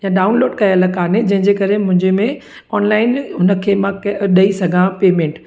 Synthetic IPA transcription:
jãɖaːʊnloːɖkɐjalɐkaːned͡ʑɐ̃ɦɪ̃ɲd͡ʑekɐɾemʊ̃ɦɪ̃ɲd͡ʑemẽ | ɔːnlaːɪnɦʊnə̆kʰeːmãkɗɐisɐɡʱãpeːmẽːɳʈ

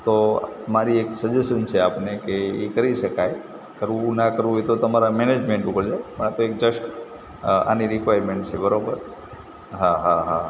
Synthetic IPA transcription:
t̪omaɾieksəd͡ʒesənt͡ʃʰeapnekeekəɾiʃəkaj | kəɾʋũnakəɾʋũjt̪ot̪əmaɾamɛned͡ʒmẽɳʈupəɾd͡ʒajpəɳ̃at̪oek̚d͡ʒəʃ | a̰niɾikʋajɾmeɳʈt͡ʃʰebəɾobəɾ | ɦaɦaɦa

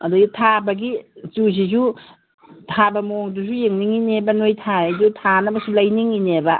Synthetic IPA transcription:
ɐduɡitʰabɐɡit͡ʃus̬iz̬u | tʰabɐmoŋdusujeŋniŋinebɐnojtʰaajdutʰanɐbɐsulajniŋinebɐ

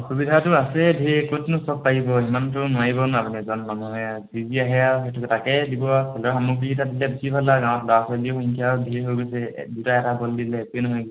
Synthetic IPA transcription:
kubidʱatuasɛdʱiekotnʊsɔk̚paɦibɔɦimantʊnajbɔnapunɛzɔnmɔmɔɦɔjaziziaɦɛawxɛtʰuktakɛdibɔsɛlɔɦamuk̬iitadilɛbesibʱalaɡãw̃ɔtlɔasalioxiŋkʰijawdʱieɦojɡojsɛ̰dutaɛtabɔldilɛpenɔɦɔj

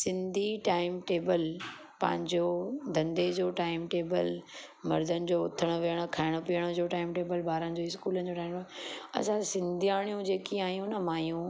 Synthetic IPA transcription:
sɪ̃nd̪ʱiʈaːɪmʈeːbəl | pɐ̰̃ɦɪ̃ɲd͡ʑod̪ʱɐ̃nd̪ed͡ʑoːʈaːɪmʈeːbəl | mɐɾd̪ənɪ̆d͡ʑoːʊt̪ʰəɽ̃oʋijəɽ̃okʰaːɪɽ̃opiəɽ̃od͡ʑoːʈaːɪmʈeːbəlbaːɾənɪ̆d͡ʑoːɪskuːlənɪ̆d͡ʑoʈaːɪmɐ̰sãsɪ̃nd̪ʱijaːɽ̃ijũd͡ʑeːkiaːɦjũnɐmãːjũ

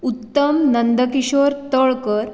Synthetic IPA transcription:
ut̪ːəmnənd̪əkiɕoːɾt̪əɭkəɾ

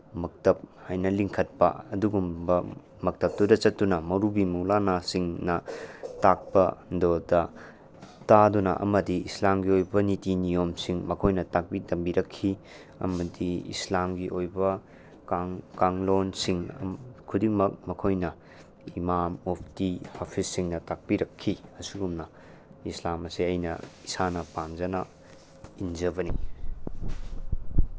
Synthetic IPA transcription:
mɐk̚tɐp̚hajnɐliŋkʰɐt̚pɐ̰ɐduɡumbɐ | mɐk̚tɐp̚tudɐt͡ʃɐtːunɐmɐɾubimuwlanasiŋnɐtak̚pɐndodɐ | tadunɐ̰ʔɐ̰mɐdiislamɡiojbɐnitinijomsiŋmɐkʰojnɐtak̚bidɐmbiɾɐkʰːi | ɐ̰mɐdiḭslamɡiʔojbɐ | ŋkaŋlonsiŋ̰kʰudiŋmɐk̚mɐkʰojnɐ | imamopʰtihopʰisːiŋnɐtak̚piɾɐkʰːiɐsiɡumnɐ | islamɐsiɐjnɐ̰isanɐpamzɐnɐ | inzɐbɐni

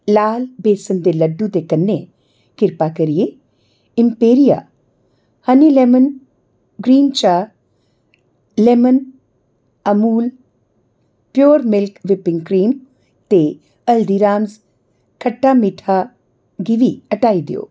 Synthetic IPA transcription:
laːlbeːsənd̪elɐɖːut̪ekɐnːe | kɪɾpakɐɾije | ɪmpeːɾija̰ | hɐnileːmən | ɡɾiːnt͡ʃaː | lemən | ɐmuːl | pjoːɾmɪlkʋɪpɪ̃ŋɡkɾiːm | t̪e | ɐld̪iɾaːmz | kʰəʈːamiʈʰa | ɡɪʋiɐʈaːid̪ɪ̰jo̰ː

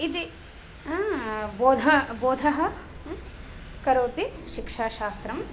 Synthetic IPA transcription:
id̪i | ãːboːd̪ʱɐboːd̪ʱɐɦɐ | kɐɾoːt̪iʃikʂaːʃaːst̪ɾɐm

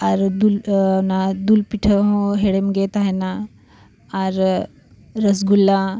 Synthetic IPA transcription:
aɾd̪ulnad̪ulpiʈʰəɦõɦeɽemɡet̪aɦena | aɾ | ɾəs̬ɡulːa

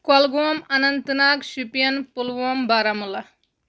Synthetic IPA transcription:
kɐlɡoɐmɐnɐnt̪ɐnaːkʃupijɐnpulʋoːmbaːɾamulɐ

